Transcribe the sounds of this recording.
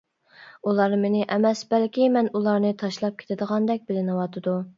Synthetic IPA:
ulˠɑɾmenɪʔɛmɛsbɛlkʲimɛnulˠɑɾnɨt̪ʰɑʃlˠɑp̚kʲʰe̥t̪ʰɪd̪əʁɑnd̪ɛk̚ʲbɪlɪnɨwɑt̪ʰɨd̪u

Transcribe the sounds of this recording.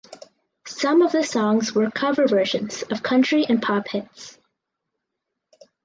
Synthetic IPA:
sʌ̃mʌvðɨsɔ̃ŋzwə˞kʰʌvə˞vɜ˞ʒɨ̃nz̥ʌv̥kʰʌ̃nt͡ʃɹ̥iʔɨ̃npʰɑphɪts

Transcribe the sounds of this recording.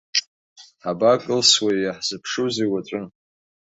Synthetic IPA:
ħabakʼɨlswajaħz̥ɨpʰʂuzejwat͡ʃʷʼɨn

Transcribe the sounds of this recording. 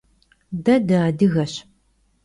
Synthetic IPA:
dɐdaːdɨɣɐɕ

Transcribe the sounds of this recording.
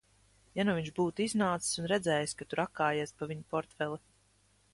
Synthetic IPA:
januviɲʒbuːt̪iznaːt̪ssunɾɛd̪zɛːjskat̪uɾakːaːjiɛspavʲiɲupɔɾt̪fɛlˠi

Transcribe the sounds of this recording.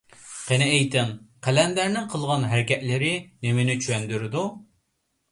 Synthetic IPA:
qʰenɪejt̪ɪmqʰɛlɛnd̪æɾnɪŋqʰəlˠʁɑnɦæɾɪkʲɛʔ̪lɪɾɪnemɪnɪt͡ʃʰywɛnd̪yɾɪd̪u

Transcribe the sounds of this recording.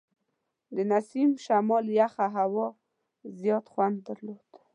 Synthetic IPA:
d̪ənasimʃamɑljaxaɦawɑ | zjɑt̪xwand̪̚ːəɾlod̪̥

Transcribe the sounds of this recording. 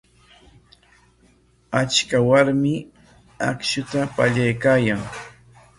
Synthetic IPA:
at͡ʃkawaɾmɪ | a̰kʃʊt̪apaʎajkaːjaŋ

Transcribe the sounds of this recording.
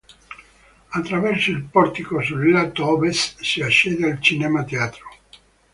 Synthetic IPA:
at̪ːɾavɛrsoilpɔrt̪ikosurilat̪ɔvessiaʃːɛːd̪ealt͡ʃinɛmat̪eaːt̪ɾo̥

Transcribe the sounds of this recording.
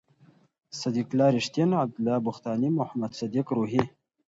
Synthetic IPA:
sad̪iklɑːɾiʂt̪enab̚d̪ʊlːɑːbʊxt̪ɑːnimʊhamad̪sad̪ikɾuɦi

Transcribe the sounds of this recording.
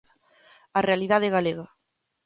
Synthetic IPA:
arealiðaðeɣaleɣɐ

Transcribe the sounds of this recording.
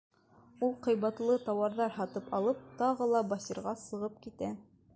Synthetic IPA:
ulˠqɤ̆jβɑt̪lˠɤt̪ɑwɑɾðɑɾɦɑt̪ɤpɑlˠɤp̚t̪ɑʁɤlˠɑbɑsiɾʁɑsɤ̆ʁɤp̚kit̪æ

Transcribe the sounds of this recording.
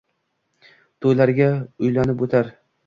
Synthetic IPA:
t̪ʰojlaɾɡʲaʊjlanɪpot̪ʰaɾ

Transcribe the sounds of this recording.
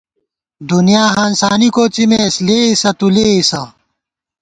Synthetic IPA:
d̪unijaːɦansaːnikoːt͡ɕimesleːisɐt̪uleisɐ

